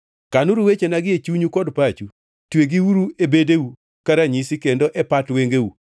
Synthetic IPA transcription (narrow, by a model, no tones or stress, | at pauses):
kanuɾuwet͡ʃenaɡɪet͡ʃuɲukɔdpat͡ʃu | tweɡiwuɾuʔebedeu | kaɾaɲisikendoʔɛpatweŋɡeu